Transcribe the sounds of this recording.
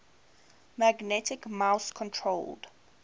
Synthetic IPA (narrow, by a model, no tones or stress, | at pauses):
maɡnɛtʰikmawskʰɔ̃ntʰɹold̥